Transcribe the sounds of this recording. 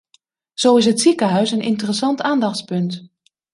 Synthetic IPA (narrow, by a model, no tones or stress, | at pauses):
z̥owɪs̬ɦətsikəɦœɥsənʔɪ̰ntərəsɑntaːndɑχtspɵnt